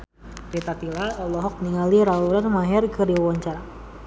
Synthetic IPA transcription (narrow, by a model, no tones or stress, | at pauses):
ɾit̪at̪ilaɛlɔɦɔk̚niŋaliɾauɾanmaɦɛrkəɾiwɔɲt͡ʃa